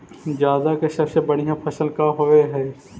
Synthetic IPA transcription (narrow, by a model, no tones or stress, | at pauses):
d͡ʒjaːd̪akesɐbsebɐɽ̤ijãːpʰɐsəlkaɦoʋeɦɛː